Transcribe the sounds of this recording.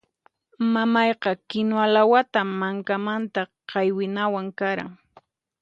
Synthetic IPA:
mamɑjqɑkɪnoalawat̪amaŋkamant̪aqɑjwɪnawaŋkaɾa̰ŋ

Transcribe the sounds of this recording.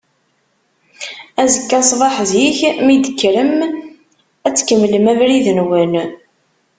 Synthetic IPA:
æzəkːɑsˤvˤɑħzjiçmid̪əkːɾəm | æt͡sːkəmːləmævɾiðənwən

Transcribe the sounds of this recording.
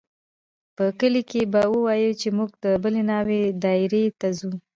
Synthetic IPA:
pəkəlikebawəwɑjut͡ʃemuɡ̚d̪əbəlenɑwed̪ɑɪɾet̪azu

